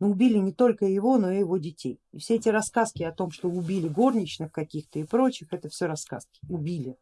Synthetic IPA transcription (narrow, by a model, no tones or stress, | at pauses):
nuːʊbʲilʲɪnʲɪt̪o̞lʲkəjɪvo̞no̞ɪjɪvo̞dʲɪtʲejɪfsʲeetʲɪɾɐskaskʲɪɐt̪o̞mʂt̪o̞ʊbʲilʲɪɡornʲɪt͡ɕnɨxkɐkʲixt̪əɪpɾo̞t͡ɕɪxɛt̪əfsʲoɾɐska̰skʲɪ̥ʊbʲilʲɪ